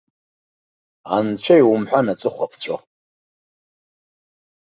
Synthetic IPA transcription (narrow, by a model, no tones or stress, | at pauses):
a̰nt͡ɕʷʰajwumħʷᶣanat͡sʼɨχʷapʰt͡ɕʷʼo